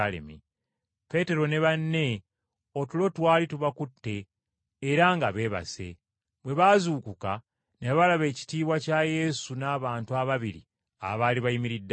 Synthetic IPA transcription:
lḛmi | pe̞te̞ɾo̞ne̞βanːe̞ | o̞tulo̞twaːlituβakutːe̞ː | ɾaŋɡaβe̞ːβa̰se̞̰ | βwe̞βazuːkuka | neβaβalaβe̞ːci̥tiːβwacaje̞ːsunaːβaːntuaβaβiɾḭ | a̰βaːliβajimiɾidːa

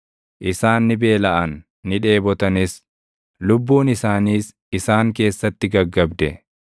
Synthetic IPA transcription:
ʔɪsaːnːɪbe̞ːlɐʔɐnː | ɪᶑe̞ːbɔt̪ɐnɪs | lʊbːuːnɪsaːniːs | ɪsaːŋke̞ːsːɐt̪ːɪɡɐɡːɐbd̪ɛ

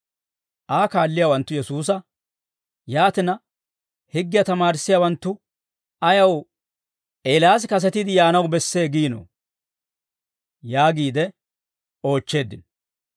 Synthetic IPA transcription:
ʔaːkaːlːɪjaːwɐnt̪ːʊjɛsuːs̬ɐ | jaːt̪ɪnɐ | hɪɡːɪjɐt̪ɐmaːɾɪsːɪjawɐnt̪ːʊ | ɐjɐw | ʔeːlaːs̬kɐs̬ɛt̪ɪd̪ɪjaːnɐwbɛsːe̞ːɡiːno̰ | jaːɡiːd̪ɛ | o̞ːt͡ʃːe̞ːd̪ːɪn

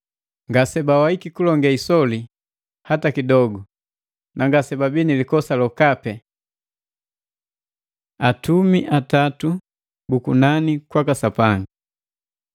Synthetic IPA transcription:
ŋɡasɛbawaikikulɔŋɡɛisɔli | hatakidɔɡu | naŋɡasɛbabinilikɔsalɔkapɛ | atumiʔatatu | bukunanikwakasapaŋɡi

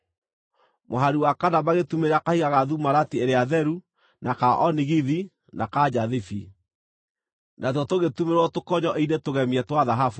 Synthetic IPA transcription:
moɦaɾiwakanamaɣetumeɾeakahiɣaɣaðumaɾatieɾeaðɛɾu | nakaʔɔniɣiði | nakad͡ʑaðifi | natɔtoɣetumeɾwɔtokɔɲɔʔinetoɣɛmiɛtwaðaɦafu

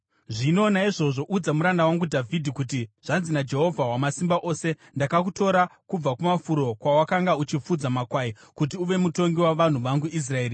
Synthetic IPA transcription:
ʐino̞ːnaiʐo̞ʐo̞ʔud͡zamuɾandawaŋɡudʱavʱidʱikut̬iʐ̥anzinad͡ʒe̞ɦo̞vʱawamasimbaʔo̞ːse̞ | ndakak̬uto̞ɾakub͡vakumafuɾo̞kwawakaŋɡaut͡ʃip͡fud͡zamakwaikut̬iuʋe̞muto̞ŋɡiwaʋan̤uʋaŋɡuʔis̬rae̞ːri

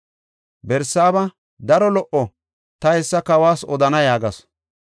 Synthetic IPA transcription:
bɛɾsːaːbɐ | d̪ɐɾɔlɔʔɔ | t̪ɐhɛsːɐkɐwaːsɔd̪ɐnɐjaːɡɐs

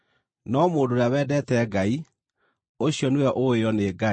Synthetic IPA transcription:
nɔmoːndoɾjawɛːdɛtɛɡai | oɕjɔnewɛʔoeɔneːɡa

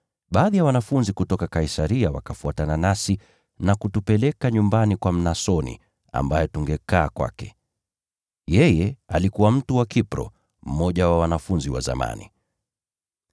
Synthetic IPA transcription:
ɓaːðijawanafunzikutɔkakaisaɾiawa̰kafuatananasi | nakutupɛlɛkaɲumbanikwam̩nasɔnḭ | a̰mbajɛtuŋɡɛkaːkwa̰kɛ̥ | jɛjɛalikuwam̩tuwakipɾɔ̰ | m̩mɔʄawawanafunziwa̰za̰ma̰nḭ

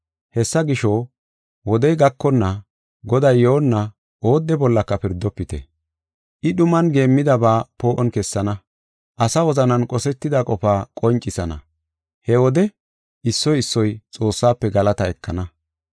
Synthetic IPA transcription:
hɛsːɐɡɪʃɔ | wɔd̪ɛjɡɐkːɔnːɐ | ɡɔd̪ɐjːoːnːɐ | ʔoːd̪ːɛbɔlːɐkːɐpɪɾd̪ːɔpːɪt̪ɛ̰ | ʔɪɗʊmɐnɡe̞ːmːɪd̪ɐbaːpo̞ːʔɔnkɛsːɐnɐ | ʔɐsɐwɔzɐnɐnkʼɔsɛt̪ːɪd̪ɐkʼɔfaːkʼɔnt͡ʃʼːɪsɐnɐ̰ | hɛwɔd̪ɛ | ʔɪsːɔjɪsːɔjt͡sʼo̞ːsːaːpːɛɡɐlɐt̪ɐɛkːɐnɐ

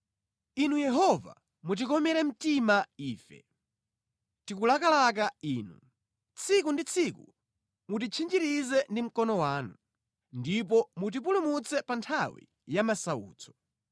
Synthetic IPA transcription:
inujɛɦɔva̰ | mut̬ikɔmɛɾɛm̩timaiːfɛ̰ | tikulakalak̬aiːnu | t͡sʰikundit͡sʰikṵ | mutit͡ʃʰind͡ʒiɾizɛndim̩kɔnɔwaːnu | ndip̬ɔmut̬ip̬ulumut͡sʰɛpantʰawḭ | jamasaṵːt͡sʰɔ̥

